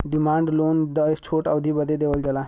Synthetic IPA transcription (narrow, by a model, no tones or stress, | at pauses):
ɖimaɳɖlond̪ət͡ɕʰoʈəʋd̪ʱibəd̪ʱed̪eʋəld͡ʑala